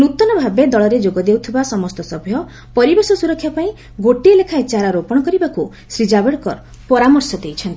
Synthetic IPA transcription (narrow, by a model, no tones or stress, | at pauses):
nut̪ɔnɔbʱabed̪ɔɭɔɾed͡ʒoɡɔd̪ewt̪ʰibasɔmɔst̪ɔsɔbʱjɔ | pɔɾibesɔsuɾɔkʰːjapaĩ | ɡoʈielekʰaet͡ʃaɾaɾopɔɽ̃ɔkɔɾibaku | sɾid͡ʒabeɽkɔɾ | pɔɾamɔɾsɔd̪ejt͡ʃʰɔnt̪i